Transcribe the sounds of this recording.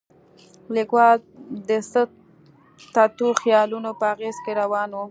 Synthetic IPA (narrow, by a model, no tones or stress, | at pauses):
likwɑld̪əsə | t̪at̪uxjɑlunopəaɣezkeɾawɑnwu